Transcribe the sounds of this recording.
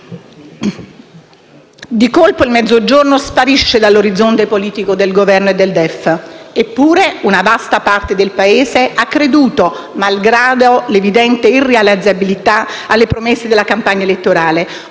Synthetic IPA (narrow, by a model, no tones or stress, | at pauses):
d̪ikolpoilmɛd̪zːod͡ʒornospaɾiʃːed̪alːoɾid̪zːont̪epoliːt̪ikod̪elɡovɛrnoed̪ːeld̪ɛfepːuːɾeunavast̪apart̪ed̪elpaeːseakːɾed̪uːt̪o | malɡɾaːd̪olevid̪ɛnt̪eirealid̪zabilit̪a | alːepɾomesːed̪ɪlakampaɲːaelet̪ːoɾaːle